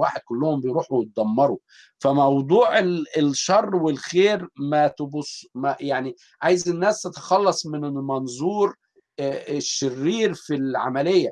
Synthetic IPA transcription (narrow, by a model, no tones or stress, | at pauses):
wa̰ːħed̪̚kʊlːʊhombejɾuːħuwet̪̚d̪æmːɑɾˤu | fæmɑwd̪ˤuːʕelelʃɑrˤːwelxeːɾmæt̪bʊsmæjaʕni | ʕajezenːæːst̪et̪ɑ̥xɑlːɑsˤmɪnelmɑnzˤuːɾ | ʃːerːiːɾfilʕa̰mælejːæ